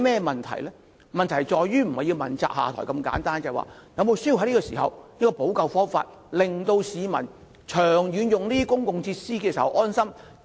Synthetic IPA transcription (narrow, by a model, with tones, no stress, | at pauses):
mɛː˥mɐ˨˩nt̪ʰɐ̰˨˩jlɛː˥ | mɐ˨nt̪ʰɐ˨˩jt͡ʃɔː˨jɥyː˥m̩˨˩hɐ˨ji˧wmɐ˨˩nt͡sa̰ː˧k̚ha̰ː˨t̪ʰɔː˨˩jkɐ˧mka̰ː˨˥nt̪aː˥nt͡sɐ˨wa̰ː˨˩jɐ˨˧wmo˨˧wsøː˥ji˧wɦɐ˥liː˥kɔː˧sḭː˨˩ɦɐ˨wjɐ˥kɔː˧po˨˥wkɐ˨˧wfɔː˥ŋfa̰ː˧t̚ | lɪ˨ŋt̪o˧wsiː˨˧mɐ̰˨˩n | t͡ʃʰœː˨˩ŋjyː˨˧njʊ˨ŋliː˥i˥kʊ˥ŋkʊ˨˧ŋt͡sʰiː˧t̚siː˥kɛː˧siː˨˩hɐ˨wʔɔː˥nsɐ˥m